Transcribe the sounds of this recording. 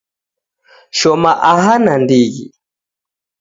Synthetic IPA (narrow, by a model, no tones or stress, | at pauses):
ʃɔmaʔaɦanandiɣḭ